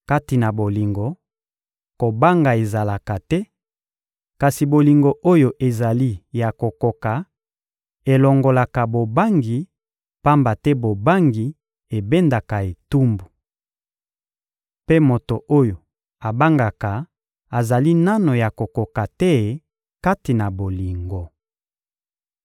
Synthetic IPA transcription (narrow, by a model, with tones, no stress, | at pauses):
ka˦ti˨na˨bo˨li˨ŋɡo˨ | ko˨ba˦ŋɡa˨e˨za˨la˨ka˨tɛ˦ | ka˨si˨bo˨li˨ŋɡo˨ʔo˦jo˨ʔe˨za˨li˦ja˨ko˨ko˨ka˨ | e˨lɔ˨ŋɡo˨la˨ka˨bo˨ba˦ŋɡi˨ | pa˦mba˨tɛ˦bo˨ba˦ŋɡi˨ | e˨be˦nda˨ka˨e˨tu˦mbu˨ | pe˦mo˨to˨ʔo˦jo˨ | a˨ba˦ŋɡa˨ka˨ | a˨za˨li˦na˦no˨ja˨ko˨ko˨ka˨tɛ˦˨ | ka˦ti˨na˨bo˨li˨ŋɡo˨